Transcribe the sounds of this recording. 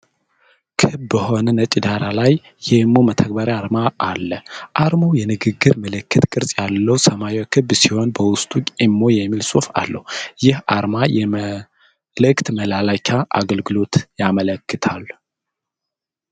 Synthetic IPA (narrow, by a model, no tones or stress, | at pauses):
kʰɨbbəho̞nənət͡ʃʼid̪aɾalajː | ɛmːo̞mət̪ʰək̚baɾjaɾmaʔːlːəʔaɾmowjɛnɨɡɨɡːɨɾməlɨkːɨt̪kʼːɨɾsʼjalːəwsəmajwakʰɨbːsiho̞nbəwʊst̪ʼukʼɪmːo̞jɛmːilsʼofa̰lːə̰hujɪhaɾmajɛm | lɨkt̪məlalakʰaʔa̰ɡəlɡɨlo̞t̪jamələkːɨt̪ʰalː